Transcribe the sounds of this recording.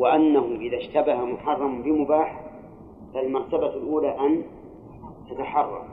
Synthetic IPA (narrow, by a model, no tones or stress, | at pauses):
wɪʔanːaɦʊʔɪðaʃt̪abahamʊħɑrˤːɑmbɪmʊbaːħ | falmɑɾˤt̪abalʔuːlaːʔan | t̪at̪aħɑrˤːɑ̰m